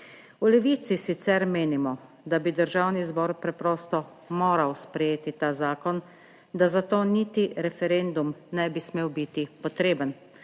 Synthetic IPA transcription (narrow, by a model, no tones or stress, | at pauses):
ulɛʋiːt̪sisit̪sɛɾmeːnimɔ | d̪abid̪əɾʒawnizbɔːɾpɾɛpɾɔːst̪ɔ | moːɾawspɾɛjeːt̪it̪aːzaːkɔn | d̪azat̪oːniːt̪iɾɛfɛɾend̪umnɛjbismeːwbit̪ipɔt̪ɾeːbən